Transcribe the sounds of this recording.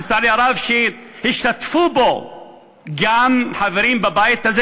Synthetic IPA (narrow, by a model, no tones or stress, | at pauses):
saliaɾavʃehiʃt̪at̪fubo | ɡamħaveɾimbabajit̪aze